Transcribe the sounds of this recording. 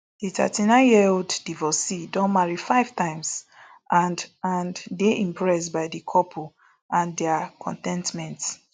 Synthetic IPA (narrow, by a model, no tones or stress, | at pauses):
d̥ita̰tinãɪ̃njiɛoddivɔsidɔ̃nmaɹifaɪv̥tãɪ̃ms | ʔãndãnddeʔĩmpɹɛstbaɪdikʰɔpʰu | ãndɛakʰɔ̰̃ntɛ̃ntmɛ̃nt